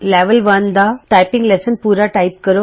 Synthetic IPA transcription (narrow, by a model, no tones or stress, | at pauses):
lɛʋəlʋand̪aʈajpĩŋɡlesənpuːɾaʈaip̚kəɾo